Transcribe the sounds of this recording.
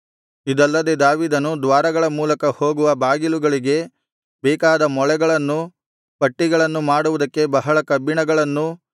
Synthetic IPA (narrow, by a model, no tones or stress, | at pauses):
id̪ɐlːɐd̪e̞d̪aːʋiːd̪ɐnud̪ʋaːɾɐɡɐɭɐmuːlɐkɐhoːɡuʋɐbaːɡiluɡɐɭiɡe̞ | bɛːkaːd̪ɐmɔɭɛɡɐɭɐnːu | pɐʈːiɡɐɭɐnːumaːɽuʋud̪ɐkːe̞bɐɦɐɭɐkɐbiɳɐɡɐɭɐnːu